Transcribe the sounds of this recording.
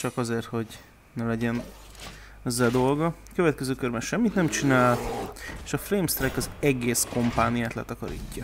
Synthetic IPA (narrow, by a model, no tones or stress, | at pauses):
t͡ʃɒkɒzeːrt̪ho̞ɟ | nɛlɛɟɛn | ɛzːɛld̪o̞lɡɒkø̞vɛt̪̚kɛzøːkørbɛnʃɛmːit̪nɛmt͡ʃinaːleːʃɒfreːmst̪rɛjkɒzɛɡeːsko̞mpaːnijaːt̪lɛ̰t̪ɒkɒɾḭːcːɒ